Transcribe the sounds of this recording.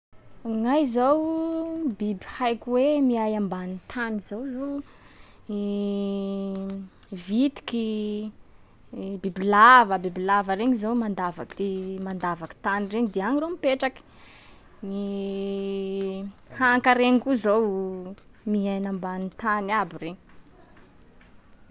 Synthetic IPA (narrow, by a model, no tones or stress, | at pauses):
ŋajzow | bibi̥hajkwemiajambanit̪ʰanizowzo | vit̪i̥ki | bibilavəbibilavəɾeɲizowmand̪avakd̪̥emand̪avaki̥t̪anireɲid̪eaŋiromipeʈ͡ʂaki̥ | ni | haŋkaɾeŋkuzow | miɦajnambanit̪anabireɲ